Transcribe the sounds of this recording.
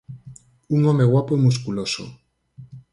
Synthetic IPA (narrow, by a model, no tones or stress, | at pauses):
uŋomeɣwapoimus̬kuloso̰